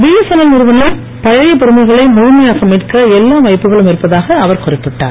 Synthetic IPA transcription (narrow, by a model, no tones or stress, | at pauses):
biːɐsɐnɐlnɪɾɯʋɐnɐ | pɐɻɐjɐpːɪɾɯmɐɣɐɭɐɪmʊɻʊmɐjaːɣɐmiːʈkɐɛlːaːʋɐɪpːɯɣɐɭɯmɪɾɯpːɐðaːɣɐɐʋɐɾkʊrɪpːɪʈːa̰ːɾ